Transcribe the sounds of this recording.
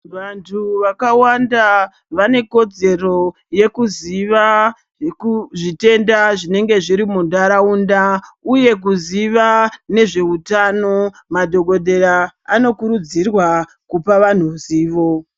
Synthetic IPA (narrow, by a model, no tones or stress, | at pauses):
ʋantʰuʋakawanda | ʋane̞ko̞d͡ze̞ro̞ | je̞kuziʋa | kuʐite̞ndaʐine̞ŋɡe̞ʐiɾimundaɾaundauje̞k̬uziʋane̞ʐe̞utano̞ | madʱo̞ɡʱo̞dʱe̞ɾaːno̞kuɾud͡zirwa | kupaʋan̤uziːʋo̞